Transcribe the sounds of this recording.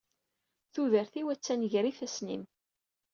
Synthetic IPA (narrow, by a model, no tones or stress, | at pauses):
θuðəɾθiwæt͡sːænʝɾiθæsnḭm